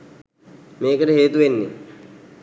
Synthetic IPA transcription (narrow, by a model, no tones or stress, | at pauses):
meːkəɾəɦeːt̪uʋenːḛ